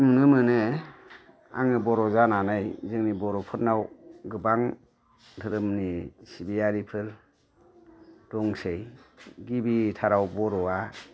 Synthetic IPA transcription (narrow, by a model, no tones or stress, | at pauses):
munɯmɯnɯ | a̰ŋɯbɔɾɔzananajzɯŋnibɔɾɔpʰɯt̚nawɡɯbaŋ | tʰɯɾɯmnisibiaɾipʰɯl | d̥ɔŋsejɡibitʰaɾawbɔɾɔa